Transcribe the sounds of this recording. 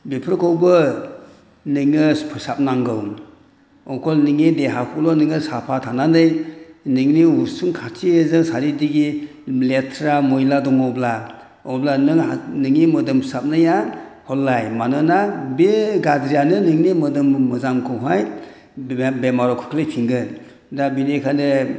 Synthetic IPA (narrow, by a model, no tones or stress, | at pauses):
bepʰɾkʰɯwbɯ | nɯŋɯspʰɯsap̚naŋɡɯw | ɔkʰɔlnɯŋideɦakʰɔlɔnɯŋɯsapʰatʰananɯjnɯŋniuɾsuŋkʰatʰiezɯŋsaɾidiɡi | letʰɾamɔjladɔŋɔwbla | ɔwblanɯŋanɯŋimɯdɯmʰsap̚najahɔlːajmanɯnabeɡadɾijanɯnɯŋnimɯdɯmːɯzamkʰɯɦaj | bemaɾɔkʰɯ̥kʰlejpʰiŋɡɯn | dabinekʰanɯ